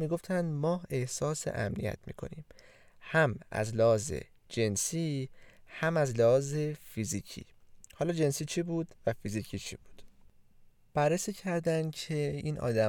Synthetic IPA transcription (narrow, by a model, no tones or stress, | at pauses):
miːɡo̞ft̪ʰænd̪mɒːe̞hsɒːsḛʔæ̰mnḭjæ̰t̪ʰmḭːkʰo̞̰nḭːm | hæmæ̰zlehɒːzḛ | d͡ʒe̞nsiːhæmæzlehɒːzefiziːcʰḭːhɒːlɒːd͡ʒensiːt͡ʃʰibuːd̪̥væfiziːcʰit͡ʃʰib̥u̥ːd̪̥ | b̥ærːesiːcʰæɾd̪ænd̪cʰeiːnʔɒ̰ːd̪æ